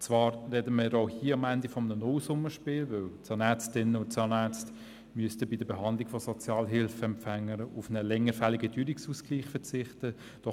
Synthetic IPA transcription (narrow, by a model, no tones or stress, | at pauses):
t͡svɑːɾrɛdəmiːɾɔʊhiːəɑmændifɔmənənɔʊsʊməʃpɪːlvɵwtsɑnæt͡stɪnəʊnsɑnæt͡st | myəstəbidəɾbeɦɑnd̪liɡ̥fɔsɔt͡sjɑːlɦɪlfəɛmpfæŋːəɾʊfnəlɛŋːəɾfæliɡəd̥yːɾiksuːskliːχfət͡sɪχtə | d̥ɔ